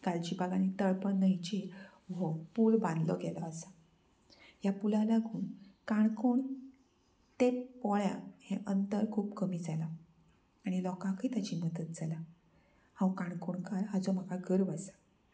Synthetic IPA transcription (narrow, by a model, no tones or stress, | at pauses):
kalt͡ɕiːbaɡanit̪əɭpənːəjt͡ɕe | ʋopuːlbãnd̪lɔɡɛlɔasa | japulãlaɡʱuːnkaɳkoɳ | t̪epɔɭja̰hẽʔənt̪əɾkʰuːpkəmiːd͡zalaː | ɽ̃ilɔkãkʰiːt̪at͡ɕiːməd̪ət̪̚d͡zala | hãwkãɳkoɳkaɾɦad͡zɔm̤əkaɡəɾʋasḁ